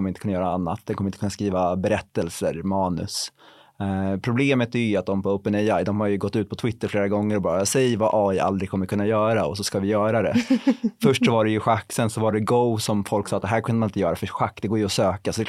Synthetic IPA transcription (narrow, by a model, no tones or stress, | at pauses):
mːəɾɪnkʰɵnajœːɾaanːa̰t̪̚d̪ɛnkʰɔmɾɪnəkʰɵnaskɾiːvabɛɾɛt̪ːɛlsəɾmɑːnɵ̰s | pʰɾʊbleːmət̪æɾjəat̪̚d̪ɔmpɔoːpːənɛjajd̪ɔmhaɾjɵɡɔt̪ːʉ̟ːt̪pʰɔt̪ʰwɪt̪ːəɾfleːɾaɡɔŋːəɾɔbɑːɾasɛjvaʔɑːɪʔa̰ld̪ɾɪɡkʰɔmːəɾkɵnːajœːɾaɔ̰sɔskavɪjœːɾad̪ɛ̰fœʂʈsɔvaɖɛjɵɧakːsɛnsɔvaɖɛɡoʊsɔmfɔlksɑːt̪d̪ɦæːɾkʰɵnd̪mnɪnt̪əjœːɾafœɧakːd̪ɛɡoːjəɔsøːkasɔd̪ɛ